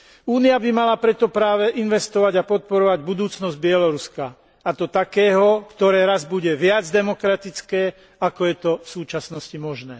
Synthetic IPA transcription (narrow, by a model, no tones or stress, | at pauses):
uːniabimalapɾɛt̪ɔpɾaːʋɛʔinʋɛst̪ɔʋaɟapɔt̪̚pɔɾɔʋaɟbud̪uːt͡snɔzɟ̚bɪɛlɔɾuska | at̪ɔt̪akɛːɦɔkt̪ɔɾɛːɾazbuɟɛʋɪad͡zd̪ɛmɔkɾat̪it͡skɛː | akɔjɛt̪ɔfsuːt͡ʃasnɔscimɔʒnɛː